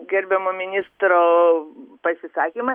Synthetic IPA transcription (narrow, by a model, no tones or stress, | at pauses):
ɡʲɛɾʲbʲɛmoːmʲɪnʲɪːst̪ɾoː | pɐsʲɪsɑːkʲiːmɐ